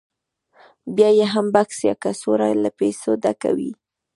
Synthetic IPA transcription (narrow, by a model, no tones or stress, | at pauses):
bjɑjeɦambaksjɑ̰kasoɾajlapesod̪aka̰wḭ